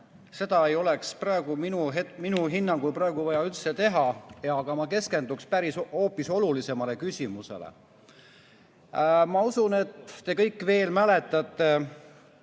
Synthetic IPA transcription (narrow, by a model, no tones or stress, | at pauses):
se̞d̪̥ɑe̞jo̞leksprɑeɡ̥uminuɦet̪minuɦinːɑŋɡ̥ujpɾɑeɡ̥uvɑjɑylt̪set̪e̞ɦɑjɑːɡ̥ɑmɑke̞ske̞nd̪ukspæɾisho̞ːpːiso̞lulise̞mɑle̞kysʲimuse̞̰lḛ | mɑusune̞t̪ːe̞kɤjkːˑve̞ːlmælet̪ːˑɑt̪ˑːe̞